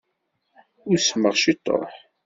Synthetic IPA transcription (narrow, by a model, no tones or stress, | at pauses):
ʊɾsmːəʁʃit̪ˤːo̰ħ